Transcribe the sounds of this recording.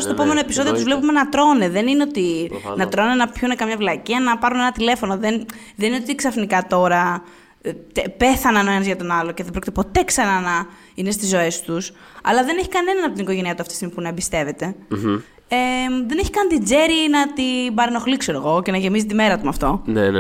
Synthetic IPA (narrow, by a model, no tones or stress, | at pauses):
st̪oepome̞no̞e̞pi̥so̞ðiot̪uzvle̞pume̞nɐt̪ɾo̞neðe̞nineo̞t̪inɐt̪ɾo̞nnɐpçunekɐmɲɐvlɐciɐnɐpɐɾune̞nɐt̪ile̞fo̞no̞ðen | ðenineot̪iksɐfnikɐt̪o̞ɾɐ | t̪epe̞θɐnɐnoenɐzʝɐt̪o̞nɐloceðebɾo̞cit̪epo̞t̪e̞ksɐnanɐ | inest̪izːo̞e̞st̪us | ɐ̰lɐðe̞neçi̥kɐne̞nɐnɐpot̪inikoʝe̞niɐt̪uɐft̪i̥st̪imi̥punɐebist̪e̞ve̞t̪e̞ | eðe̞neçi̥kɐnd̪id͡ze̞ɾinɐt̪ibɐɾino̞xlikseɾoɣo̞ce̞nɐʝe̞mizit̪t̪ime̞ɾɐt̪umɐft̪o̞n